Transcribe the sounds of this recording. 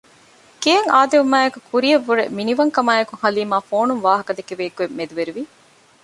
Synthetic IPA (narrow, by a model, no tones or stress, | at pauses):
kijɐŋaːd̪eʋumaːekukʰuɾiɐʋːuɾḛminiʋɐŋkɐmaːekuŋhɐliːmaːfoːnuŋʋaːɦɐkɐd̪ekeʋeːkuemːed̪uʋeɾuʋi